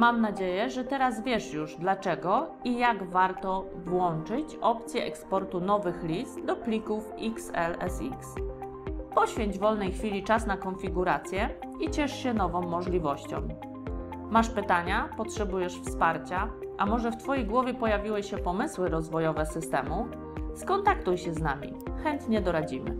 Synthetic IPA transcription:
mamnad͡ʑejɛʐɛt̪ɛɾazvʲjɛʂjuʐd̪lat͡ʂɛɡɔijaɡvaɾt̪ɔ | vwɔnt͡ʂɘt͡ɕɔpt̪sʲjɛʔɛkspɔɾt̪un̪ɔvɘxlʲist̪d̪ɔplʲikufiksɛlɛ̰sḭks | pɔɕfʲjeɲd͡ʑvɔlnɛjxfʲilʲit͡ʂasnakɔnfʲiɡuɾat̪sʲjɛit͡ɕɛʂɕɛnɔvɔ̃mːɔʐlʲivɔɕt͡ɕɔ̰̃m | maʂpɘt̪aɲapɔtʂɛbujɛʂfspaɾt͡ɕaʔamɔʐɛft̪fɔjejɡwɔvʲjɛpɔjavʲiwɘɕɛpɔmɘswɘɾɔzvɔjɔvɛsɘst̪ɛmu | skɔnt̪akt̪ujɕɛzna̰mʲḭxɛnt̪ɲɛd̪ɔɾad͡ʑimɘ̰

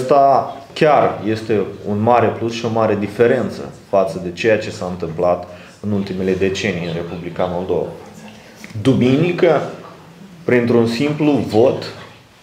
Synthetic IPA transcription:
st̪akʲarje̞st̪e̞unmaɾe̞plusʃio̞maɾe̞d̪ife̞ɾe̞nt̪sə̰fat̪səd̪e̞t͡ʃe̞jat͡ʃe̞saɨnt̪ɨmplat̪ | ɨnult̪ime̞le̞d̪e̞t͡ʃe̞nijɨnre̞publikamo̞ld̪o̞̰va̰ | d̪uminikə | pɾint̪ɾunsimpluvot̪

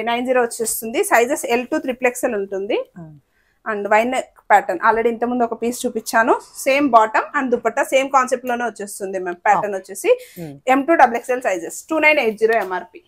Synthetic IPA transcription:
nɐjnd͡ʒiːɾoːʋɐt͡ʃːeːst̪und̪isɐjd͡ʒese̞lʈuːt̪ɾipleksɐluɳʈund̪i | ɐɳɖʋɐjnekpɛːʈɐnʔa̰ːlɾeɖiːnt̪ɐmund̪uɔkɐpiːst͡ʃuːpit͡ʃːaːnuse̞ːmbaːʈɐmɐnd̪upɐʈːɐse̞ːmkaːnsep̚ʈloːneːʋɐt͡ʃːeːst̪und̪imeːmpɛːʈɐnʋot͡ʃːeːsiemʈuːɖɐblekselsɐjd͡ʒesʈuːnɐjnejʈ̚d͡ʒiːɾoːemaːɾpiː

